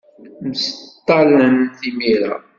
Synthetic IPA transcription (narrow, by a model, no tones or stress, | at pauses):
məst̪ːɑlənθimiɾa̰